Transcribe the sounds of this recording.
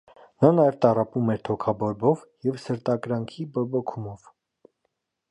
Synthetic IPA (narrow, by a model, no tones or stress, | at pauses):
nɑnɑjɛvt̪ɑrɑpumɛɾt̪ʰɔkʰɑbɔɾbɔvjɛvsəɾt̪ɑkɾɑŋkʰibɔbɔkʰumɔv̥